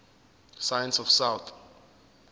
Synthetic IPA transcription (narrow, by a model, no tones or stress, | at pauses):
sajɛ̃nsɔfsawt̪ʰ